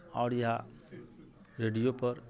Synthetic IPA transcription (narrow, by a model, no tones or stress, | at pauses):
aʊɾja | ɾeɖijopəɾ